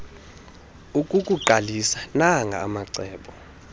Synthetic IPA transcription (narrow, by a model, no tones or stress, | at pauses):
ukʼukʼuǃʱalisanaŋʱa̰ːmaǀɛːɓɔ